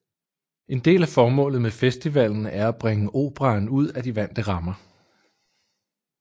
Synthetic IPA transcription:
e̝nd̥e̝̰ːlæfɒːmɔ̰̽ːlð̩ˠmefesd̥iʋæl̰n̩æɐæb̥ʁeŋəʔo̝̰ːb̥ʁɑ̈ːnuð̞̰ˠæd̥iʋæn̰d̥əʁɑ̈mɐ

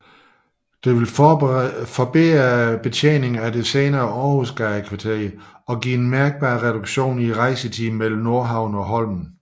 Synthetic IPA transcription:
d̥e̝ʋe̝l | fɒb̥eːb̥e̝t͡sʰḛːne̝ŋæd̥e̝seːnɐːɒːhusɡ̥ɑkʰʋɑ̈t͡sʰeɐ̰ɒ̽ɡḭːe̝nmæɐɡ̥̚b̥ɑ̰̈ːʁɛɾ̥uɡ̥ɕo̝̰ːniʁɑ̈ɪsət͡sʰḭːm̩mel̰m̩no̝ɐɦɑ̈ʊ̰n̩ɒ̽ɦɒ̽l̰mn̩

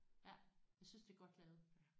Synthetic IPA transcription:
jæjɑaɪsynsd̥e̝ɡ̥ɒ̽d̥lɛːʊð̩ˠ

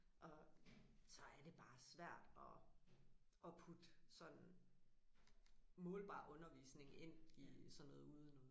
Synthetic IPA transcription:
ʔɒ̽ | sɒ̽æɐd̥e̝b̥ɑ̈ːsʋæɐ̰d̥ɒ̽ | ɒ̽pʰud̥sɒ̽n̥ | mɔ̽ːlb̥ɑ̰̈ːʔɔ̽nɐʋḭːsne̝ŋe̝n̰isɒ̽nːɔ̽ːð̩ˠuð̞ˠənoːðˠ

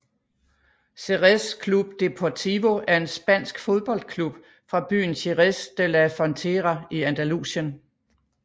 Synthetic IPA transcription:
seʁeskʰlub̥d̥e̝pʰɒt͡sʰiʋo̝ʔæɐe̝nsb̥æn̰sɡ̥fo̝ð̞ˠb̥ɒ̽l̰d̥̚kʰlub̥ | fʁɑ̈b̥y̰ːn̩sʰeʁesd̥elæfɒ̽nt͡sʰeʁɑiænd̥ælṵsən

